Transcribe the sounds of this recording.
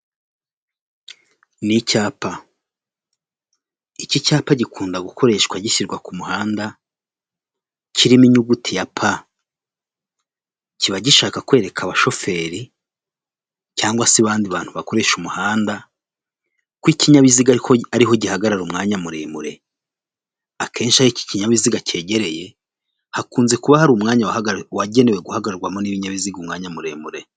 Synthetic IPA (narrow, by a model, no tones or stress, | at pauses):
nicaːpa | icicaːpaɟikʰuːndaɡukʰo̞ɾe̞ːʃɡwaɟiʃiɾɡwakumuhaːnda | ciɾimiɲuɡutʰijapʰa | ciβaɟiʃaːkakwe̞ːɾe̞kʰaβaʃo̞fe̞ːɾi | caːŋɡwasiβaːndiβaːn̥huβako̞ɾe̞ʃumuhaːnda | kwiciɲaβiziɡahoaɾiɦo̞ɟihaɡaɾaɾumŋaːɲamuɾḛːmuɾe̞ | akʰe̞ːnʃiaɾiki̥ciɲaβiziɡace̞ːɟe̞ɾe̞je̞ | hakuːnze̞kuβahaɾuːmŋaːɲawwaɟe̞newe̞ɡuhaɡaɾaɾɡwamoniβiɲaβiziɡumŋaːɲamuɾeːmuɾe̞